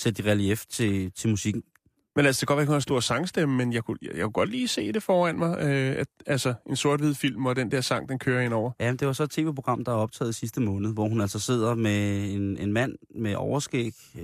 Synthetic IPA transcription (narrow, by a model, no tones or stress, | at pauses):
sed̥iʁælieft͡sʰe̝t͡sʰe̝lmusiɡ̥n̩ | menælsəd̥eɡɒd̥ʋæɐekhonsd̥o̝ɐ̰sɑ̈ŋsd̥eməmenjɑ̈ɪkʰujjakuɡ̥ɒ̽d̥liːse̝̰ːd̥e̝fɒːæn̰mɑ̈ɪøæ̥ælsəɐe̝nso̝ɐdʋið̰ˠfil̰mɒ̽d̥end̥ɛɐsɑ̈ŋ̰d̥enkʰøːɐenɒʊ̰ɐjæmend̥e̝ʋɑ̈sɒ̽e̝̥t͡sʰe̝ːʋḛːpʰo̝ɡ̥ʁɑ̈m̰d̥ɑ̈ɒ̽b̥t͡sʰɛ̰ːð̩ˠisisd̥əmɔ̽ːnð̩ˠʋɒhunæl̰sɒse̝ð̞̰ˠɐmeenenmæn̰meʔɒʊɐsɡ̥ḛɡ̥